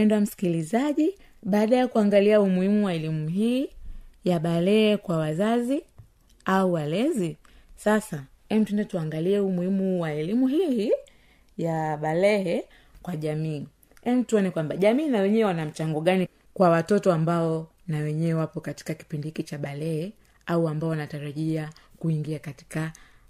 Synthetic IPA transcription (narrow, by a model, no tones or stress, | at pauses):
ɛndam̩si̥kilizaʄi | ɓaːɗajakuaŋɡaliaumuhimuwaɛlimuɦiːjaɓalɛɛkwawazazi | auwalɛzi | sasa | ɛm̩tuɛndɛtuaŋɡaliɛumuhimuwaɛlimuɦihi | jaɓalɛhɛ | kwaʄamiː | ɛm̩tuɔnɛkwambaʄamiːnawɛɲɛwanam̩t͡ʃaŋɡɔɠani | kwawatɔtɔambaɔ | nawɛɲɛɛwapɔkati̥kaki̥pindikit͡ʃaɓalɛhɛ | auambaɔwanataɾaʄiakuiŋɡiakati̥ka